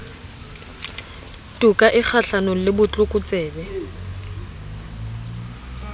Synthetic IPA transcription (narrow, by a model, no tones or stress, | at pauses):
tʼukʼaʔɪk͡xʰaɬanɔlɪbʊt͡ɬʼʊkʼʊt͡sʼɛːbɛ